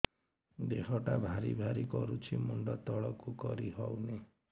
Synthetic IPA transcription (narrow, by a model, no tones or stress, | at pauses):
d̪ekʰɔʈabʱaɾḭbʱaɾikɔɾut͡ʃʰimuɳɖɔt̪ɔɭɔkukɔɾiɦɔwne